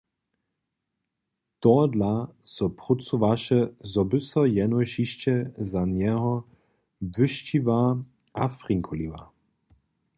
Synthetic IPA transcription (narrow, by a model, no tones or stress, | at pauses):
t̪ɔːd̪lasɔpʁut͡suvaʃɛzɔbɨsɔjɛnɔjʃiʃt͡ɕɛzanjɛɦɔ | bvɨʃt͡ɕivaː | afʁiŋkʰɔliva̰ː